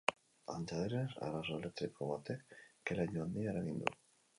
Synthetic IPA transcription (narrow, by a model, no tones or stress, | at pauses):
a̰nt͡ʃaðeɾesa̰rasoelek̚t̪ɾikʰoβat̪ekelaʎoand̪ieɾaɣind̪ṵ